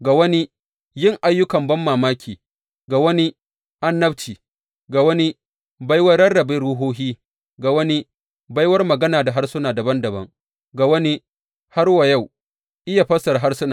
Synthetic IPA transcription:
ɡa˨wɐ˦ni˦ | jɪ˦ŋʔa˨jːʊ˦kɐ˨mbɐ˦mːaː˨maː˦kʲʰiː˨ | ɡa˨wɐ˦ni˦ | ʔa˦nːɐ˦bt͡ʃiː˨ | ɡa˨wɐ˦ni˦ | ba˦jwɐ˦ɾɽɐ˦rːɐ˨beː˦ɽuː˦ɦoː˦ɦiː˦ | ɡa˨wɐ˦ni˦ | ba˦jwɐ˦rmɐ˨ɡɐ˦naː˨da˨ɦa˦rsʊ˦naː˨dɐ˨bɐ˦ndɐ˨bɐ̰˦ŋ | ɡa˨wɐ˦ni˦ | ha˦rwa˨ja˦˨w | ʔɪ˦ja˨ɸɐ˦sɐ˨rɦa˦rsʊ˦na˨

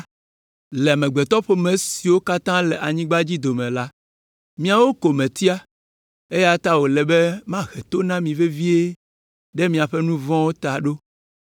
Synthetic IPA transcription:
lɛ˨a˨mɛ̃˨ɡ͡bɛ˨t̪ɔ˦ɸo˦mẽ˨si˨wo˦ka˦t̪ã˦lɛ˨ʔa˨ɲĩ˦ɡ͡ba˦d͡ʑi˦d̪o˨mɛ̃˨la˦ | mĩ˦a˨wo˦ko˨mɛ̃˨t̪i˦a˦ | e˦ja˦t̪a˦wo˨lɛ˨be˦mã˦ɣɛ˨t̪o˦nã˦mĩ˨ve˦vi˦e˦ | ɖɛ˦mĩ˨a˨ɸɛ˦nũ˦vɔ̃˦wo˦t̪a˨ɖo˦

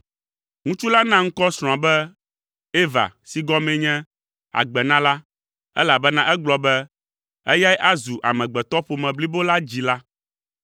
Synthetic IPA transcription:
ŋũ˦t͡ʃu˦la˦nã˦ŋ̩˦kɔ˦sɾ̃ɔ̃˨ã˨bɛ˦ | e˦va̰˨si˨ɡɔ˦mɛ̃˨ɲɛ̃˦ | a̰˨ɡ͡bɛ˨nã˦la˦ | ɛ̰˦la˨bɛ˦nã˦ʔɛ˦ɡ͡blɔ˨bɛ˦ | ɛ˦ja˦jɛ˦ʔa˦zu˨ʔa̰˨mɛ̃˨ɡ͡bɛ˨t̪ɔ˦ɸo˨mɛ̃˨bli˦bo˦la˦d͡ʑi˨la˦

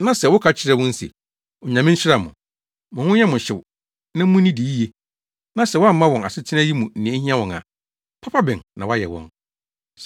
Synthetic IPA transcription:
nã˦sɛ˨wʊ˦kʰa˦t͡ɕʰɪ˦ɾɛ˦wʊ̃˦n̩˦sḛ˨ | ɔ˨ɲã˨mɪ̃˦n̩˦t͡ɕʰᶣɪ˦ɾa˨mʊ̰̃˨ | mʊ̃˨hʊ̃˦jɛ˦mʊ̃˨ɕɪ˨w | nã˦m̩˦ũ˦nĩ˦di˨ji˦je˦ | nã˦sɛ˨wa˦m̩˦mã˦wɔ̃˨na̰˨sɪ˦tʰɪ˦nã˦ji˦mũ˨n̩˨nĩ˨ẽ˦hĩ˦a˦wɔ̃˨nã̰˨ | pʰa˦pʰa˦bɪ̃˨nnã˨wa˦jɛ̰˨wɔ̰̃˦n

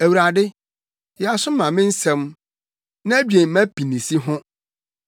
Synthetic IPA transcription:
æ˨wu˨ɾa˨dɪ˦ | jɛ˨a˨sʊ˦mã˨mɪ̃˦n̩˦sɛ̃˦m | nã˦æ˦bɥe˨mæ̃˦pʰi˨nĩ˨si˦ɦʊ̃˦

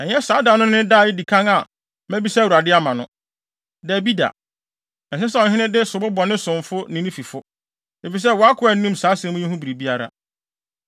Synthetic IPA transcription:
ɛ˨ɲɛ˦saː˨˦da˨nʊ̃˦nɪ̃˦da˦˨ɪ˦di˨kʰã˦ŋa˨ | mæ̃˦bi˦sɛ˦˨wu˨ɾa˨dɪ˦a˦mã˨nʊ̃˦ | dɛ˨bi˦da̰˨ | ɛ̃˨sɛ˦sɛ˦ɔ̃˨ɦɪ̃˦nɪ̃˦dɪ˦sʊ˨bʊ˦bɔ˨nɪ̃˦sʊ̃˨ɱ˨fʊ˦nɪ̃˦nĩ˦fi˨fʊ˦ | e˨fi˨s̬ɛ˦wɔ˨˦a˦kʰʊ˨˦ɛ˨n̩˦nũ˦msaː˨˦sɛ̃˨˦mũ˦ɲĩ˦ɦũ˦bi˨ɾi˨bi˦a˦ɾa̰˦

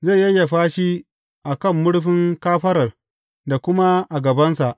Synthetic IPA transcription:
za˦˨jːɐ˦jːa˨ɸaː˦ʃi˦ | ʔa˨kɐ˦˨mːʊ˦ɽɸɪ˦ŋkaː˦ɸɐ˦ɾɐ˨r | da˨kʷʊ˦ma˦ʔa˨ɡɐ˨bɐ˦nsa˨ʔ

